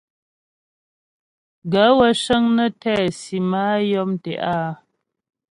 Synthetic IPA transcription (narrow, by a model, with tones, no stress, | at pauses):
ɡə˨˦wə˨˦ʃə˦ŋnə˦tɛː˦˨si˨maː˦jɔ˦mtɛ̰˨ʔaː˦